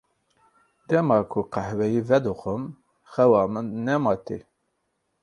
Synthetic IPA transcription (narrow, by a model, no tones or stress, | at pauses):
d̪ɛmɑːkʰuqæhwɛjiːvɛd̪uxʊm | xɛwɑːmənɛmɑːt̪ḭ